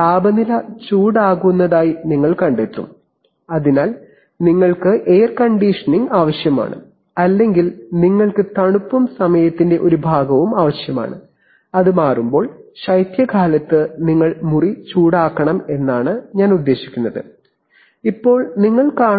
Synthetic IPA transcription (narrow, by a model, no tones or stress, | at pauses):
aːbɐnilɐt͡ɕuːɽaːɣunːɐðaːjiniŋːɐɭkɐɳɖet̪ːṵm | ɐðinaːl | niŋːɐɭkɨʔeːrkɐɳɖiʂɐniŋɡaːʋɐɕjɐma̰ːɳɨ̰ | ɐlːe̞ŋɡilniŋːɐɭkɨt̪ɐɳupːumsɐmɐjɐt̪ːinde̞ʔo̞ɾubʱaːɡɐʋumaːʋɐɕjɐma̰ːɳɨ̰ | ɐðɨmaːrumbo̞ːɭɕɐjt̪jɐkʰaːlɐt̪ːɨniŋːɐɭmurit͡ɕuːɽaːkːɐɳɐme̞nːaːɳɨɲaːnud̪ːe̞ːɕi̥kʲːunːɐðɨ̰ | ipːo̞ːɭniŋːɐɭkaː